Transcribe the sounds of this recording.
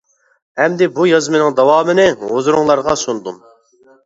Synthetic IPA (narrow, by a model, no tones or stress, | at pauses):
ɛmd̪ɪbujɑzmɨnɪŋd̪ɑwɑːmɨnɪozɾʊŋlˠɑɾʁɑsund̪um